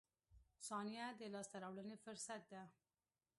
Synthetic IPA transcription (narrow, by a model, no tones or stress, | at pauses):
sɑnijad̪əlɑst̪aɾawlənefʊɾsat̪̚d̪a